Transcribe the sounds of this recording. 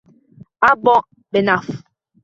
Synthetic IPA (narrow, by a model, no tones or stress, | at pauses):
abɔʔ | bɛnaf